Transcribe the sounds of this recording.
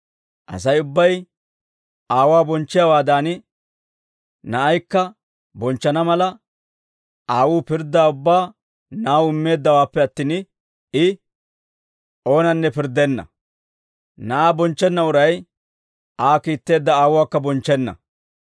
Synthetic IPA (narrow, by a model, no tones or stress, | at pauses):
ʔɐ̰sɐjʊbːɐj | aːwaːbɔnt͡ʃːɪjawaːd̪aːnɪ | nɐʔːjkːɐ | bɔnt͡ʃːɐnɐmɐlɐ | ʔaːwuːpɪɾd̪ːaːʊbːaː | naːwɪmːe̞ːd̪ːɐwaːpːɛɐt̪ːiːn | ɪ | ʔo̞ːnɐnːɛpɪɾd̪ːɛnːɐ̰ | nɐʔaːbɔnt͡ʃːɛnːɐʊɾɐj | ʔaːkiːt̪ːe̞ːd̪ːɐaːwʊwaːkːɐbɔnt͡ʃːɛnːɐ̰